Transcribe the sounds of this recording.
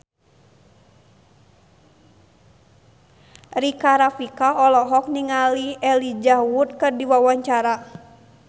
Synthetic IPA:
rikaɾafikaɔlɔɦɔk̚niŋaliɛlid͡ʒawut̪̚kɨrdiwawaɲt͡ʃaɾa

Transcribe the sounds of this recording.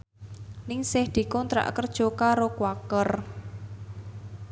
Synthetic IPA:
nɪŋsɪhd̪̥i̤kɔnt̪ɾa̰ʔkərd̥ʒ̥o̤kaɾokwakər

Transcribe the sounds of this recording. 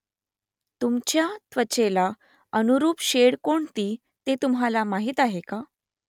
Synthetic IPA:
t̪umt͡ɕjat̪ʋət͡ɕela | ənuɾuːpɕeɽkoɳt̪iː | t̪et̪umɦalamaɦiːt̪aɦeka

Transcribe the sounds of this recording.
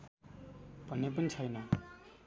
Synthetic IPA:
b̥ʱʌnːepʌnit͡sʰʌjnʌ

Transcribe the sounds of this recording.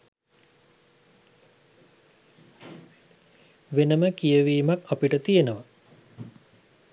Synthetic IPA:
ʋenəməkijəʋiːmakapiʈət̪ijənəʋa

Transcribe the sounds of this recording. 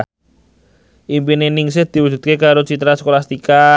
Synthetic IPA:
ʔimpinenɪŋs̬ɪhd̪̥i̤wud͡ʒ̪̥ṳt̪̚kekaɾot͡ʃit̪əɾaskolast̪ika

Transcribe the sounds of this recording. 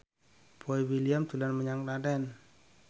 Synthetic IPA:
b̥ɔiwiliamt̪ulanməɲaŋladɛn

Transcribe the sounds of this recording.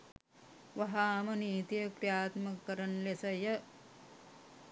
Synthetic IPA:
ʋɐɦaːmɐniːt̪ijɐkɾjaːt̪mɐkɐɾɐnlesɐjɐ

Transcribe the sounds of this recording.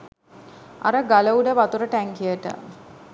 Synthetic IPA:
a̰ɾəɡaləuɖəʋat̪uɾəʈæŋkijəʈə̰

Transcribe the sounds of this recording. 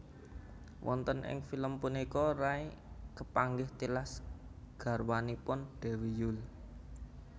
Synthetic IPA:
wʔɔ̰nt̪ənʔɪ̰ŋfiləmpunikɔrai | kəpaŋɡɪht̪ilas | ɡ̥a̤rwanipʊnɖ̪̥ɛ̤wijʊl

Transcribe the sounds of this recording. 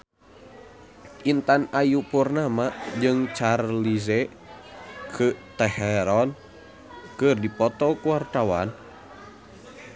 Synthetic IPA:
ʔint̪anajupurnamad͡ʒɨŋt͡ʃarlizɛ | kʰɨt̪ɛhɛɾɔn | kɨrdipɔt̪ɔkuwart̪awa̰n

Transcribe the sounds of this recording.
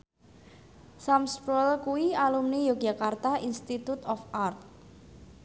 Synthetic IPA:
samspɾɔlkuialumnijoɡ̥akart̪ainst̪it̪ut̪ɔfart̪̚

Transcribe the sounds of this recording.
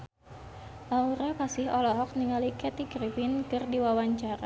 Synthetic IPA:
auɾapasɪhɔlɔɦɔk̚niŋalikɛt̪iɡrifinkɨrdiwawaɲt͡ʃaɾa̰

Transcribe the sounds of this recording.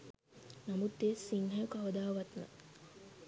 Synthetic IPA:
nɐmut̪ːeːsiŋɦɐjukɐʋɐd̪aːʋɐt̪nɐ̰

